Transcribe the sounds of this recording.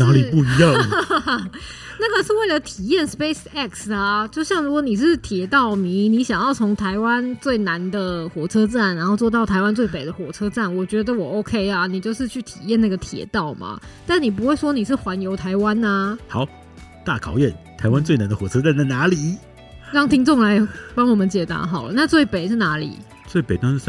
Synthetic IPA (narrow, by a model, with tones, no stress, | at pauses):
na˧˥li˨˩pu˥˧˥jɑ˥˨ŋ | na˥˩ɡə˨˩ʂɻ̩˥˧we˥˩ɪlə˩t̪ʰi˨˩jɛ˥˩nspe˥ɪsɛ˥˩ksɐ˨˩t͡ɕjo˥˧ʊɕjɑ˥˩ŋɻu˦˥kwɔ˧˦ni˨˩ʂ̬ɻ̩˥˩t̪ʰjɛ˨˥t̪ɑ˥˩ʊmi˧˥˦ni˧˥ɕjɑ˨˩ŋjɑ˥˩ʊt͡sʰo˧˥ŋt̪ʰa˧˥ɪwa˦˥nt͡swe˥˩ɪna˧˥nd̪ə˧xwɔ˨˩ʈ͡ʂʰɤ˥ʈ͡ʂa˥˩nɻa˧˥nxo˥˧ʊt͡swɔ˥˧t̪ɑ˥˩ʊt̪ʰa˧ɪwa˥nt͡swe˥˩ɪpe˨˩ɪd̪ə˦xwɔ˨˩ʈ͡ʂʰɤ˥ʈ͡ʂa˥˩nwɔ˨˩t͡ɕɥɛ˧˥d̪ə˧wɔ˨˩o˥ʊkʰe˥ɪɐ˨ni˨˩t͡ɕjo˥˧ʊʂɻ̩˥˧t͡ɕʰy˥˩t̪ʰi˨˩jɛ˥˧na˥˩ɡə˩t̪ʰjɛ̰˨˩t̪ɑ˥˩ʊmɐ̰˩t̪a˥˩nni˨˩p̬u˧˥xwe˥˩ɪʂwɔ˥ni˨˩ʂɻ̩˥˩xwa˧˥njo˧˥ʊt̪ʰa˧˥ɪwa˥na˧hɑ˨˦ʊ | t̪a˥˩kʰɑ˨˩ʊjɛ˥˩nt̪ʰa˧˥ɪwa˦nt͡swe˥˩ɪna˧˥nd̪ə˧xwɔ˨˩t͡sʰɤ˥t͡sa˥˧nt͡sɪna˧˥li˨˩˦ | ɻɑ˥˩ŋt̪ʰi˥ŋt͡sʊ˥˧˩ŋla˧˥ɪpɑ˥ŋwɔ˨˩mə˦nt͡ɕjɛ˨˩t̪a̰˧˥ɦɑ˨˩ʊna˥˧t͡swe˥˩ɪpe˨˩ɪʂ̩˥˩na˧˥lḭ˨˩˦ | t͡swɪpe˨˩t̪̩˥˧˥